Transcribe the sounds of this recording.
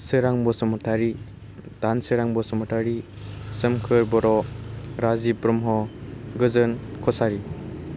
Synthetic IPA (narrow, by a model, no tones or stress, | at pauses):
sɯɾaŋbɔsɔmɔtʰaɾi | d̥ansɯɾaŋbɔsɔmɔtʰaɾi | sɯmkʰɯɾbɔɾɔɾazipɾɔmɦɔɡɯzɯnkʰɔsaɾi